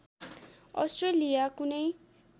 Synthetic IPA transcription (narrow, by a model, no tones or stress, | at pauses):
ʌ̰sʈrelijakunʌj